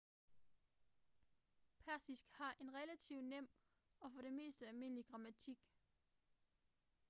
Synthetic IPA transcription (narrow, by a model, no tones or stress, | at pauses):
pʰæɐsisɡ̥hɑ̈ʔe̝nʁɛlæt͡sʰiʊ̰nem̰ | ɒ̽fɒ̽ɾ̥e̝me̝̰ːsd̥əælme̝n̰liɡ̥ʁɑ̈mæt͡sʰiɡ̥